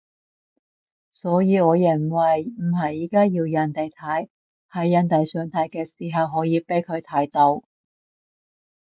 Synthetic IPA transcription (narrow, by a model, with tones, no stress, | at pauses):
sɔː˨˥jiː˨˧ɔː˨˧jɐ˨˩ŋwɐ˨˩jm̩˨˩ɦɐ˨jiː˨˥kaː˥jiː˧wjɐ˨˧nt̪e˨jt̪ʰɐ˨˥j | hɐ˨˥jːɐ˨˧nt̪ɐ˨jsœː˨˧ŋt̪ʰɐ˨˥jkɛː˧siː˨˩ɦɐ˨wɦɔː˨˥jiː˨˧pe˨˥jkʰɵ˨˧ɥt̪ʰaː˨˥jt̪o˧w